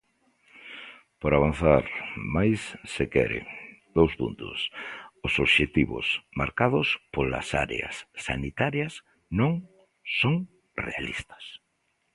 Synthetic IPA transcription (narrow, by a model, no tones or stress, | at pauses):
poɾaβan̟θaɾmajsːekɛ̰ɾɪ̰d̪owspṵnt̪ʊ̰sosoβʃet̪iβʊ̰sma̰ɾkaðʊspola̰sa̰ɾḛɐ̰sːa̰nit̪aɾjɐs | nõŋ | soŋ | realist̪ɐ̥s